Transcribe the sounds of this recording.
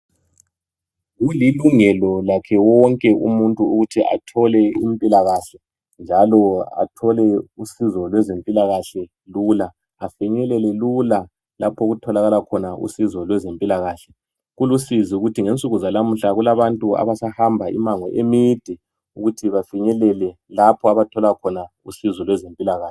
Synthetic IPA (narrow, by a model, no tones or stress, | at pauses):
ɣuliluŋɛlɔlakʰɛwɔŋkʼɛʔṵmuntʼuuɣutʰiʔa̰tʰɔlɛimpʼilaɣaɬɛ | nd͡ʒʱalɔa̰tʰɔlɛusizɔlwɛzempʼilaɣaɬɛ | lulaː | fɛɲɛlɛlɛlula | lapʰoɣutʰɔlaɣalakʰɔnaʔṵsizɔlwɛzempʼilaɣaːɬɛ | ɣulusiziuɣutʰiŋent͡sʼuɣuzanam̩ɬaɣulaβantʼua̰βasahambʱaḭmaŋwɔʔemid̥ʱɛ | uɣutʰiβafiɲɛlɛlɛlapʰɔaβatʰɔlakʰɔna | ṵsizɔlwɛzempʼilaɣaːɛ